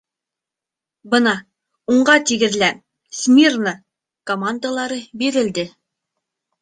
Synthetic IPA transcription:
bɤnɑ | uɴɢɑt̪iɡɘ̆ðlæn | smʲirna | komand̪alˠɑɾɤbiɾɘ̆ld̪ɘ

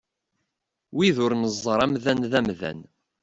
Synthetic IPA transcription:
wiðʊɾnəzˤːəɾˤæmðænðæmðæ̰n

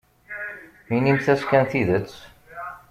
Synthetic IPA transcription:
minimθæskʲænθiðət͡s

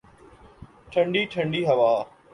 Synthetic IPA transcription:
ʈʰə̃ɳɖiːʈʰə̃ɳɖiːɦɐʋaː

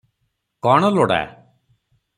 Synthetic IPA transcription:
kɔɳ̃ɔloɽa̰

